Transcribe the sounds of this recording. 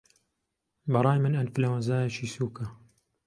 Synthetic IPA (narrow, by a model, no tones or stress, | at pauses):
bɑɾˤɑːjmɨnɐnpɨlawɐnzaːjɐt͡ʃʰiːsuːkɐ